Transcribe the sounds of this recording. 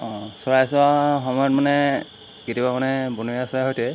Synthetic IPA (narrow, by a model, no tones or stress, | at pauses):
ɔ̃sɔɹajsɔaxɔmɔjɔtmanɛ | kitibamanɛbunuasɔɹajɦojtɛ